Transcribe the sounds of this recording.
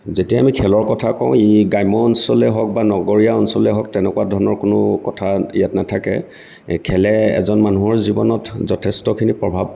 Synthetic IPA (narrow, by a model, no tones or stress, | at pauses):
zetijaːmikʰɛlɔɹkɔtʰakɔʊ̃iɡajmɔːnsɔlɛɦɔk̚banɔɡɔɹijaɔnsɔlɛɦɔk̚tɛnɛkwadʱɔɹɔnɔɹkʊnʊkɔtʰaijatnatʰakɛ̰ | kʰɛlɛɛ̰zɔnmanuɦɔɹzibɔnɔtzɔtʰɛstɔkʰinipɹɔbʱab̚